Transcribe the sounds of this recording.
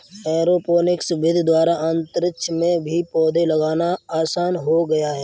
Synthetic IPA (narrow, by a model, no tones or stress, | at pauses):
ɛːɾoːpoːnɪksbɪd̪ʱd̪waːɾaʔə̃nt̪əɾɪʃʰmẽbʱipɔːd̪ʱelɐɡaːnaaːsaːnɦoɡɐjaɦɛː